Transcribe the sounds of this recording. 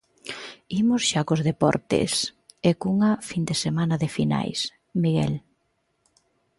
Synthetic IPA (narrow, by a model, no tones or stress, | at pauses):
imʊsʃakozðepɔ̰ɾt̪ḛsekuŋɐfind̪esemanɐðɪfina̰js | miɣɛ̰l